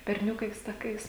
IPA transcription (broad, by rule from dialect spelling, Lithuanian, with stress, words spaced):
bʲɛrʲˈnʲʊkɐɪs tɐˈkɐɪs